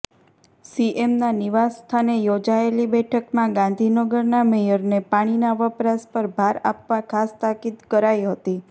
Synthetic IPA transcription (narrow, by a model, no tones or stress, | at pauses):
siʔemnaniʋasst̪ʰanejod͡ʒaelibɛʈʰəkmãɡãn̆d̪ʱinəɡəɾnamejəɾnepaɽ̃inaʋəpɾaspəɾbʱaɾapʋakʰast̪akid̪kəɾajɦət̪i